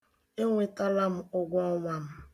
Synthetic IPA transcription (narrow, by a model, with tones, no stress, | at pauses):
e˦ŋʷe˨ta˦la˦m̩˦ʊ˦ɡʷɔ˦ɔ˦ŋʷa˨m̩˦